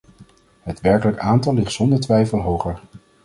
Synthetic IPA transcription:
ɦətʋɛɹkələkaːntɑlːɪχtsɔndəɹtʋɛjfəlˠɦowχəɹ

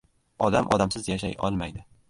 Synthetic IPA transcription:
ɒd̪amʔɒ̰d̪amsɪzjaʃa̰jʔɒ̰lˠmajd̪ɪ

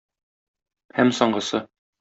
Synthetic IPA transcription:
hæmsɒɴɢɤ̆sɤ

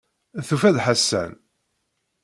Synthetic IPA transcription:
θufæðħasːæ̰n

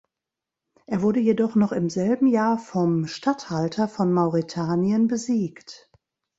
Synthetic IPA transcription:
ʔeːɐvʊɐdəjedɔχnɔχɪmzɛlbm̩jaːɐfɔmʃtathaltʰɐfɔnmaʊʁitʰaːniənbəziːkt

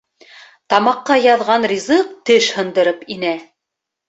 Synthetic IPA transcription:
t̪ɑmɑqːɑjɑðʁɑnrʲizɤq̚t̪ɘʃhɤ̆nd̪ɤ̆ɾɤpinæ

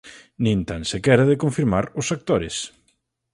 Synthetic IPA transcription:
nĩnt̪ansɪkɛɾaðɪkõɱfiɾmaɾʊsak̚t̪oɾɪs

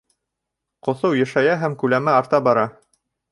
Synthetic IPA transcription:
qŏθɤwjæ̆ʃæjæɦæmkʉlæmæɑɾt̪ɑbɑɾɑ

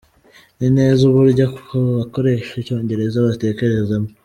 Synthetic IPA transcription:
nine̞ːzuβuɾɟakkʰoβako̞ɾe̞ʃeco̞ːɲɟe̞ɾe̞zaβate̞ːce̞ɾe̞zamo

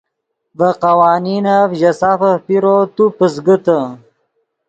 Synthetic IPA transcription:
vəqawaːninafʑɐsafəpiɾot̪upəsɡət̪ə

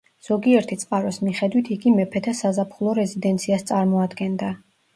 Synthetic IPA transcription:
z̥ɔɡiɛɾt̪ʰit̪sʼqʼaɾɔsmiχɛd̪wit̪ʰiɡimɛpʰɛt̪ʰasazapʰχulˠɔɾɛzid̪ɛnt̪sʰiast̪sʼaɾmɔad̪ɡɛnd̪a

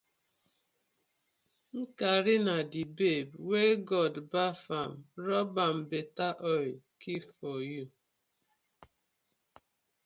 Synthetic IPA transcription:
ŋ̩kaɾɪnadibebweɡɔdbafamɾɔbam̩betaʔɔj | kifɔju

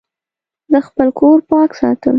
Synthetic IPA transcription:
d̪əxpəlkʰoɾpɑksɑ̰t̪əl

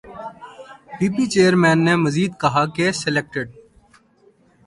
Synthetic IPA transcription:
biːbiːt͡ʃeːəɾmɛ̃ːnːeməziːd̪kɐɦakesɪleːk̚ʈeɖ̚

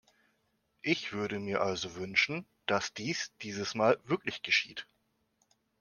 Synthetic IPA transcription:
ʔɪçv̥ʏɐɾəmiːɐʔalzovʏnʃn̩ | d̥asd̥iːsd̥iːzəsmaːlvɪɐklɪçɡ̥əʃḭːt

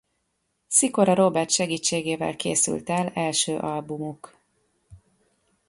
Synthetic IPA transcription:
siko̞ɾɒɾobɛrt̪ʃɛɡiːt͡ʃːeːɡeːvɛ̰lkḛːsy̰lt̪ɛlɛlʃøːʔɒlbumuk

